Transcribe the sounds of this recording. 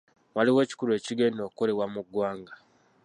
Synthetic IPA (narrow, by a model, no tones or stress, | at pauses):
waliwe̞ːci̥kuɾe̞ːciɡeːnido̞kuko̞le̞wamuɡːwaːŋɡa